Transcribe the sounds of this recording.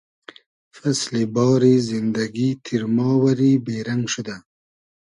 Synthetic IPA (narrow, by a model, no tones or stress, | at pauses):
faslebɑːɾizɪnd̪aɡit̪ʰiɾmɑwaɾibeɾaŋɡʃʊd̪a